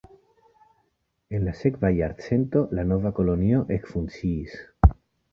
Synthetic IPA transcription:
enlasekvajaɾt͡sent̪o̞lanovako̞lonioʔekfunt͡siːs

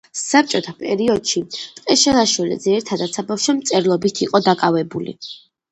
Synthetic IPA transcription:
sap̚t͡ʃʼɔt̪ʰapʼɛɾiɔd̪̥ʃit̪ʼqʼɛʃɛlˠaʃwilḭd̪zɛɛɾt̪ʰad̪at̪sabafʃɔmt̪sʼɛɾlˠɔbit̪ʰiqʼɔd̪akʼavɛbulḭ

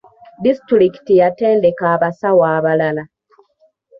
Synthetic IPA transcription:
distɾiki̥tijate̞ːndekaːβasawaːβalala

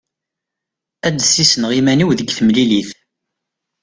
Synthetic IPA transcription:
æd̪sisənʁimæniwðəɡθəmliliθ

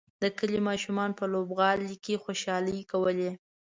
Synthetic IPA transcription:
d̪̥əkəlimɑʃumɑnpəlobɣɑlikexoʃɑləjkawəle

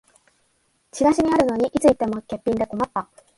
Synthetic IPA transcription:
t͡ɕiɡaɕiɲ̟iaɾɯ̟no̞ɲ̟iʔit͡sɨit̪ːe̞mo̞ke̞pʲːĩnd̪e̞ko̞mat̪ːa

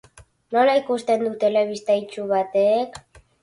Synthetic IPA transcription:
no̞laikust̪e̞nd̪ut̪e̞le̞β̞ist̪ajt͡ʃuβat̪ek

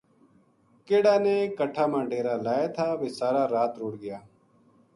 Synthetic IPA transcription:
keːɽaːneːkəʈʰːaːmãːɖeːɾaːlaːeːt̪ʰaːʋeːsaːɾaːɾaːt̪ɾoːɽɡɪjaː

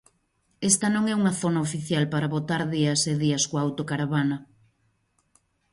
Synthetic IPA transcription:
est̪ɐnõŋɛuŋɐθonaofiθjalpaɾaβot̪aɾðiɐseðiɐskoawt̪okaɾaβanɐ

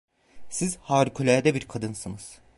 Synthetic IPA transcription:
sizhaːɾkʰølʲæɾd̪ɛbiɾkʰad̪ɯnsɯnɯz̥

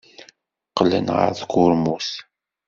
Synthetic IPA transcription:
qːlə̰nʁə̰ɾθkʊɾmuθ

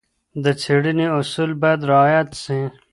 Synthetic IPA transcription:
d̪ət͡sʰiɽiniusuːlbad̪ɾɐːjɐt̪sĩ

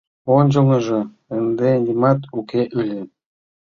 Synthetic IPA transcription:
ond͡ʑŏŋɤ̆ʒɤ̆ | ə̆nd̪enʲimɑt̪ukeʔylʲɘ̆

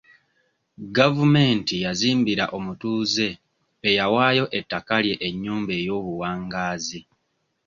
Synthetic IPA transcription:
ɡavume̞ːntijaziːmbiɾaʔo̞mutuːze̞ː | jawaːjo̞ʔe̞tːakalje̞ʔeɲːuːmbe̞ːjo̞ːβuwaːŋɡaːzi

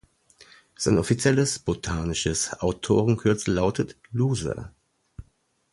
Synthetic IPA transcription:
z̥aɪnʔɔfit͡sjɛləsb̥otʰaːnɪʃəsʔaʊtʰo̰ːʁənkʰʏɐt͡səlaʊtʰət | luːzə̰

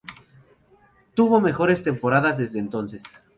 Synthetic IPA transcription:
t̪uβo̞me̞xo̞ɾe̞st̪e̞mpo̞ɾaðazðe̞zðeːnt̪o̞nses

